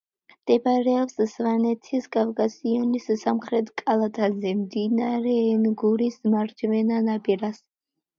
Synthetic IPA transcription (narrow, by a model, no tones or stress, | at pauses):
md̪̥ɛbɾɛɔpssvanɛt̪ʰiskʼafkʼasianisːamχɾɛt̪ʰkʼalˠat̪ʼazɛmd̪inaɾɛːnɡuɾismaɾd͡ʒvɛnanapʼiɾas